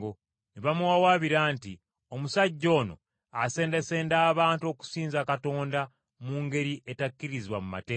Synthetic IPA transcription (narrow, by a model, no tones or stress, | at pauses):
o | neβamuwawaːβiɾaːnti | o̞musaɟːo̞ːno̞̰ | ase̞ːnde̞se̞ːndaːβaːntuo̞ku̥siːnzakato̞ːnda | muːŋɡe̞ɾiʔetakːiɾiziβwamuma̰teː